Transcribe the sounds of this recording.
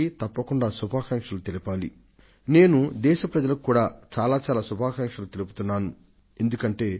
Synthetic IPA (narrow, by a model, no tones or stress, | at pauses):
it̪ɐpːɐkuɳɖaːsubʱaːkɐŋkʂɐlut̪e̞lipaːlḭ | ne̞ːnud̪ɛːʃɐpɾɐd͡ʒɐlɐkkːuːɽaːt͡ʃaːlaːt͡ʃaːlaːsubʱaːkɐŋkʂɐlut̪e̞lup̬u̥t̪unːaːnu | e̞nd̪ukɐɳʈe̞ː